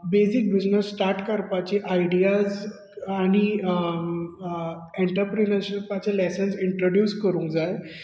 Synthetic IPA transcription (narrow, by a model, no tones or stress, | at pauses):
besik̚bid͡znəsːʈaɾʈkəɾpat͡ɕiʔajɖiad͡z | aɽ̃i | eɳʈəɾpɾinəɾɕipat͡ɕelɛsənsiɳʈɾoɖjuːskəɾũd͡zaj